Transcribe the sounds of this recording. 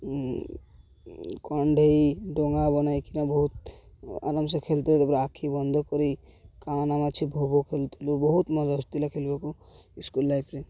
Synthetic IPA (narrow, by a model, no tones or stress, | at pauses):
kɔɳɖʱeiɖoŋɡabɔnaikinabɔɦut̪̚a̰ɾəms̬ekʰelt̪ilt̪əpɾakʰibɔnd̪ʱkɔɾikanamat͡ʃʰibʱobokʰelt̪ʰilubɔɦut̪mɔd͡ʒast̪ilakʰelbeko | ɪskulːaipe